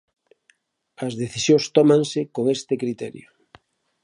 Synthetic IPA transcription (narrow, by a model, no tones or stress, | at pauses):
ɐzðeθisjost̪ɔmãŋsɪkoŋest̪ɪkɾit̪ɛ̰ɾjo